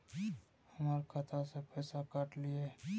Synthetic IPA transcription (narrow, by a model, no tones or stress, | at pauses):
həmaːɾkʰat̪ʰasepəjsakaʈlie